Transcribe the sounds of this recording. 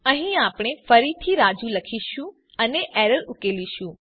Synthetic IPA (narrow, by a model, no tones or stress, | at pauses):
ə̃ɦĩapɽ̃efəɾit̪ʰiɾad͡ʒũləkʰiʃũ | əneʔɛɾəɾʊkeliʃũ